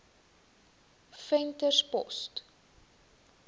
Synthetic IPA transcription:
fɛntərspɔ̰st

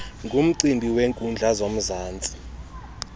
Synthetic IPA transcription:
ŋɡʱum̩ǀimbʱiweŋkʼund͡ɮʱazom̩zaːnt͡sʼi̥

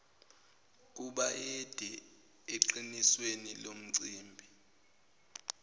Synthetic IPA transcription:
k̬uɓaɛd̥ʱɛ | eǁiniswenilom̩ǀiːmbʱi

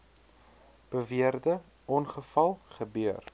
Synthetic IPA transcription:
b̥əviərdə | ɔnχəfɐlˠχəbyər

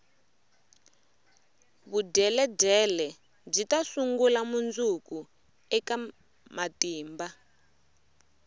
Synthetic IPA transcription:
βudɛlɛdɛlɛ | b͡ʐitasuŋɡulamund͡zuku | ɛka | matiːmba

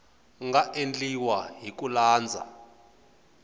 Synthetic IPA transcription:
ŋɡaʔend͡ɮʼiwaɦik̬ulaːnd͡zʱa̰

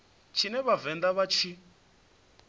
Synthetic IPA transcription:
t͡ʃʰinɛβavɛnd̪aβat͡ʃʰi

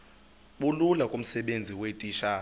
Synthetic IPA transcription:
ɓululakʼum̩sɛɓend͡zʱiwetʼiːʃa

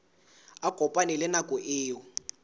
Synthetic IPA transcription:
akɔpʼanɛlɪnakʼɔʔɪːjɔ

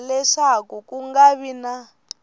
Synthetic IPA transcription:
lɛʂakukuŋɡaβina

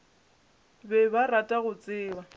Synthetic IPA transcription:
bɛbaratʼaɣʊt͡sʼɪːwa

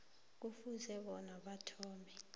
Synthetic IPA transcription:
k̬ufuzɛɓɔnaɓatʰɔːmɛ

